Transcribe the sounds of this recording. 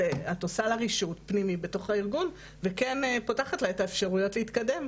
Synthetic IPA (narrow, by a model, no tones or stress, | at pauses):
eato̞salaʁiʃutpnimibe̞to̞χaiʁɡun | vekenepotaχatlaetaefʃaʁujo̞tleitkade̞m